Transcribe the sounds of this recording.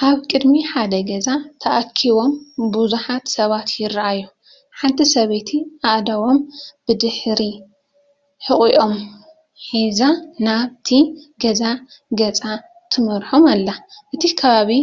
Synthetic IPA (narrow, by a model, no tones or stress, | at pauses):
kʰaβkʼɨd̪miħad̪ɐɡɐzat̪ʰɐʔakʰːiβo̞mbuzuħat̪sɐβat̪ʰjɪraʔajːu | ħant̪ʰisɐβet̪ʰiʔaʔd̪ɐwo̞mb̥ɨd̪ɨħɾi | ħɨχʼiʔo̞m | ħizanaβt̪ʰiɡɐzaɡɐt͡sʼa | t̪ʰɨmɐɾħomalːaʔɨt̪ʰikʰɐβaβi